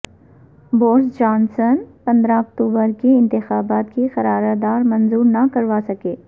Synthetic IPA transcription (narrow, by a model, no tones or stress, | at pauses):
boːɾsd͡ʒaːnsənpɐ̃nd̪ɾaɔk̚t̪uːbəɾkeɪ̃nt̪ɪxaːbaːt̪kixɐɾaːɾad̪aːɾmɐ̃nzuːɾnɐkɐɾʋasɐkeː